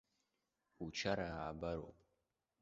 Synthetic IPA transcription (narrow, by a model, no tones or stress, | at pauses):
ut͡ʃʰaɾaːbɐɾo̰ːpʼ